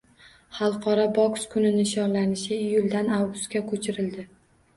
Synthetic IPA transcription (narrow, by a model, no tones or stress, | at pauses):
χɑlˠqʰɒɾɒbɒkskʰʊnɪnɪʃɒnlanɪʃɪɪjʊlˠd̪anawɡʊst̪kʲakʰɵt͡ʃʰɪɾɪld̪ɪ